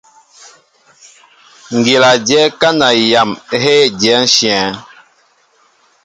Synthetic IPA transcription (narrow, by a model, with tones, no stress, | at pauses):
ŋ˨ɡe˨la˨d͡ʒjɛ˨˦ka˦na˨ja˨mɦe˦d͡ʒɛ˨˦n̩˦ʃi˨ɛ̃˨